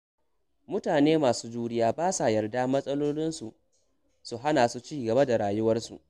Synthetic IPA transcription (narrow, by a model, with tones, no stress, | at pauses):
mʊ˦taː˨neː˦maː˨suː˦d͡ʒuː˦ɽɪ˦jaː˦baː˦sa˨jɐ˨rda˦mɐ˦sʼɐ˦loː˦lɪ˦nsu˨ʔ | su˨ɦa˦naː˨su˦t͡ʃiː˦ɡɐ˨ba˦da˨ɽaː˨jʊ˦wɐ˦rsṵ˨ʔ